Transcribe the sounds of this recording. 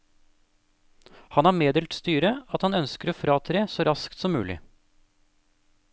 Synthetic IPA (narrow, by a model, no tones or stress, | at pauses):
hɑnæːɾmeːd̪ɛːlt̪st̪yːɾəɑt̪hɑnœnskəɾoːfɾɑːt̪ʰɾeːsoːɾɑskt̪sɔmːʉ̰ːlɪ̰